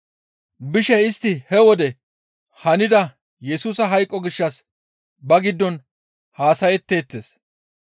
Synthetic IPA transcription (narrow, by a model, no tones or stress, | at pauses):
bɪʃɛɪst̪ːɪhɛwɔd̪ɛ | hɐnɪd̪ɐ | jɛsuːsɐɦɐjkʼːɔɡɪʃːɐs | bɐɡɪd̪ːɔn | haːsɐjɛt̪ːe̞ːt̪ːes